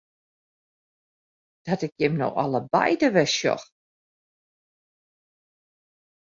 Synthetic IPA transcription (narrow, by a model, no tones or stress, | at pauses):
d̥ɔtɪkjɪmno̰wʔɑ̰lˠəbɛ̰jdəʋɛʃjɔ̰x